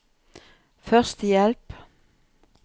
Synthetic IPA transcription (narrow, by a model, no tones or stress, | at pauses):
fœʁst̪əjɛlp